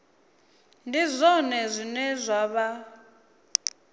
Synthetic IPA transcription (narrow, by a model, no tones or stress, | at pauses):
ndizʷɔnɛzʷinɛzʷwaβa